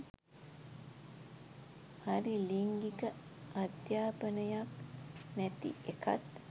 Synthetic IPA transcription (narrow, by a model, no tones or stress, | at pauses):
haɾiliŋɡikəad̪jaːpənəjaknæt̪ḭeka̰t̪